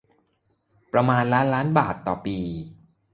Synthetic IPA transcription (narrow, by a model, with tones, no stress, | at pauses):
pɾa˧maː˧nlaː˦˥nlaː˦˥nbaː˨˩t̪ːɔː˨˩piː˧